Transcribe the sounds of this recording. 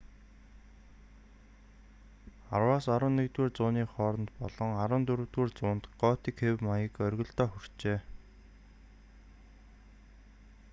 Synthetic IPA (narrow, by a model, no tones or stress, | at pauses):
a̰rwaːsaɾwə̆nːekt̪weːrt͡sʊːniːχɔːɾɞ̆nt̪pɔ̰ɮɞ̆ŋaɾə̆ːnt̪ɵɾɵ̆wt̪weːrt͡sʊːnt̪ɢɔːt̪ikxewmajə̆kœrʲɣɞ̆ɮt̪ɔːxɵr̥t͡ɕeː